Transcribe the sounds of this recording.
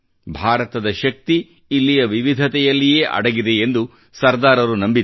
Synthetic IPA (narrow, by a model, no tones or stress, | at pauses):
bʱaːɾɐt̪ɐd̪ɐʃɐk̚t̪iː | lːijɐʋiʋid̪ʱɐt̪ɛjɐlːije̞ːʔɐ̰ɽɐɡid̪e̞end̪u | sɐɾd̪aːɾɐɾunɐmbi